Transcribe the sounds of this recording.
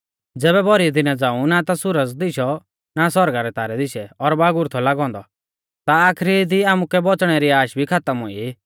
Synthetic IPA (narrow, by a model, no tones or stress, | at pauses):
d͡zɛːβɛbʱɔɾid̪ɪnad͡zãːũnat̪asʊɾəd͡zd̪ɪʃɔ | nasɔɾɡaɾɛt̪aːɾɛd̪ɪʃɛɔɾbaːɡʊɾt̪ʰɔlaɡɔ̃ːnd̪ɔ | t̪aaːkʰɾid̪iaːmukɛbɔt͡sɽ̃ɛɾiaːʃbʱikʰat̪əmɦo̰ːi